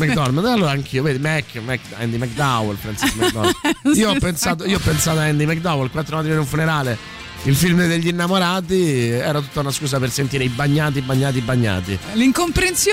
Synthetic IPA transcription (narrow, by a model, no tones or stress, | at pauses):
mɛkd̪ɔɾmanalːoːɾaaŋkʰiːoveːd̪imɛkːmɛk | ɛnd̪imɛk̚d̪awɛlpɾɛnsmɛd̪ɔiːoɔpːensaːt̪̬oioɔpːensaːt̪oaɛnd̪imɛk̚d̪awɛlkwat̪ːɾomat̪ɾienuɱfuneɾaːle | ilfilmd̪eʎːinːamoɾaːt̪̬iɛːɾat̪ut̪ːaunaskuːs̬apersent̪iɾeibaɲːaːt̪̬ibaɲːaːt̪ibːaɲːa̰ːt̪iliŋkompɾens